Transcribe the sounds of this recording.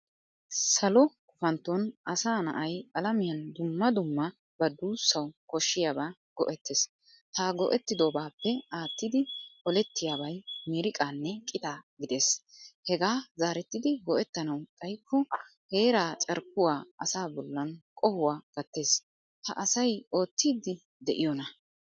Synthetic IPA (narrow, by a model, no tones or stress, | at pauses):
sɐlɔkʊfɐnt̪ːɔnʔɐsaːnɐ̰ʔɐjɐlɐmɪjɐnd̪ʊmːɐd̪ʊmːɐ | bɐd̪uːsːɐwkɔʃːɪjaːbaːɡ̥ɔʔɛt̪ːeːs | t̪aːɡɔ̰ʔɛt̪ːɪd̪oːbaːpːɛaːt̪ːɪd̪ɪɔlɛt̪ːɪjaːbɐjmɪɾɪkʼaːnːɛkʼɪt̪aːɡɪd̪e̞ːshɛɡaːzaːɾɛt̪ːɪd̪ɪɡɔʔɛt̪ːɐnɐwt̪ʼɐjkːɔ | he̞ːɾaːt͡ʃʼɐɾk̚ʊwaːɐsaːbɔlːɐnkʼɔhʊwaːɡ̥ɐt̪ːe̞ːs | h̪ɐ̰ʔɐsɐjo̞ːt̪ːiːd̪ːɪ | d̪ɛʔɪjɔnɐ